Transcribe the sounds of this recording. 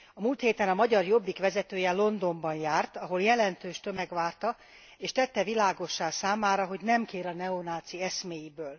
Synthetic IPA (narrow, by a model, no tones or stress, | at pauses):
ɒmuːlt̪heːt̪ɛnɒmɒɟɒrjo̞bːikʋɛzɛt̪øːjɛlo̞nd̪o̞mbɒnjaːrt̪ɒɦo̞ljɛlɛnt̪øːʃt̪ø̞mɛɡʋaːrt̪ɒ | eːʃt̪ɛt̪ːɛvilaːɡo̞ʃːaːsaːmaːɾɒɦo̞ɟnɛmkeːɾɒnɛonaːt̪siɛsmeːjibøːl